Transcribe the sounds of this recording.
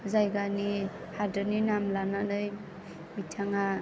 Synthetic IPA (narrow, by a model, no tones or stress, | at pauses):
zajɡani | hadɯninamlananɯj | mitʰaŋa